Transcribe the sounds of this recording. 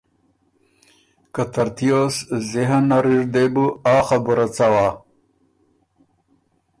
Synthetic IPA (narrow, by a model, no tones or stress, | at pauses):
kat̪ɐɾt̪ijosziɦanaɾiʐd̪ebuaːxabuɾat͡sawa